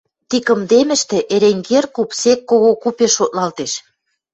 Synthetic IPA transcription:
t̪ikə̆md̪emɘ̆ʃt̪ĕʔeɾeŋɡerkupsekːoɣokupeʃːot̪̚lɑlt̪eʃ

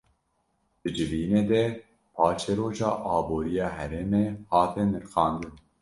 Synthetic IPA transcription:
d̪̥ɨd͡ʒɨviːneːd̪ɛ | pʰɑːt͡ʃʰeɾoːʒɑ̰ːʔɑːboːɾijɑːɦɛɾeːmeːhɑːt̪ɛnɨɾxɑːnd̪ɨn

